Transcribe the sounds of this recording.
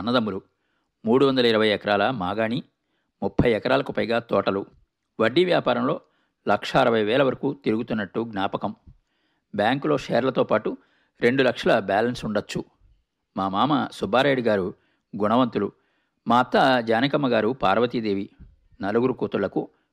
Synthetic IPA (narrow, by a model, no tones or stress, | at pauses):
ɐnːɐd̪ɐmːulu | muːɽuʋɐnd̪ɐlɐiɾɐʋɐjɛkɐɾaːlɐmaːɡaːɳi | mupʰːɐjɛkɐɾaːlɐkupɐjɡaːt̪ɔːʈɐlu | ʋɐɖːiʋjaːpaːɾɐmlo̞ː | lɐkʂɐːɾɐʋɐjʋɛːlɐʋɐɾɐkut̪iɾuɡut̪unːɐʈːuɡnaːpɐkɐm | bjaːŋklo̞ːʂeːɾlɐt̪o̞ːpaːʈu | ɾe̞ɳɖulɐkʂɐlɐbaːlɐnsuɳɖɐt͡ʃːu | maːmaːmɐsubʱaːɾaːjɽuɡaːɾu | ɡuɳɐʋɐnt̪ulu | maːɐt̪ːɐd͡ʒaːnikɐmːɐɡaːɾupaːɾɐʋɐt̪id̪e̞ːʋi | nɐluɡuɾukuːt̪uɭlɐku